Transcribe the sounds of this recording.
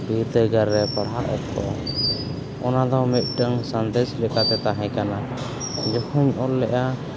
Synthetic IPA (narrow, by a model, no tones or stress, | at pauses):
biɾt̪əɡaɾːɛpaɽɦaʔɛ̰t̪̚kɔ̰ | ɔnad̪ɔmɛt̪̚ˀɖəŋsand̪ɛslɛkat̪ɛt̪aɦɛ̃kana | d͡ʒɔhɔɲɔlːɛʔa